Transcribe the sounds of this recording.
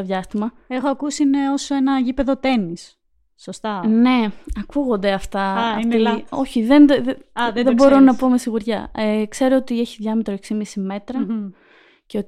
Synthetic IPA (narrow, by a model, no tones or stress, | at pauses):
oðʝɐst̪imɐ | exoɐkusineo̞soe̞nɐʝipe̞ðo̞t̪e̞nisː | ost̪ɐne̞ɐkuɣo̞nd̪e̞ɐft̪ɐio̞çiðend̪ððebo̞ɾo̞nɐpo̞me̞siɣuɾʝɐ̰ekse̞ɾo̞ot̪ie̞çiðʝɐmet̪ɾoeksimisime̞t̪ɾɐ | ceo